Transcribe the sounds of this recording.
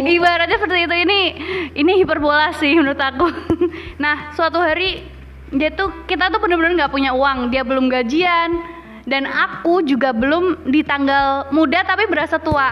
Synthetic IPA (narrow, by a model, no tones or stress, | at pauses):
ibaɾat̪̚ɲasəpərt̪iːt̪uiniinihipərbolahsɪhmənʊɾɪt̪aku | nahsuat̪uɦaɾi | jait̪ukit̪at̪upunabənʊŋɡaʔpuɲauwaŋdiabəlʊmɡad͡ʒian | danakud͡ʒuɡabəlʊmdit̪aŋɡalmudat̪apibəɾasat̪ua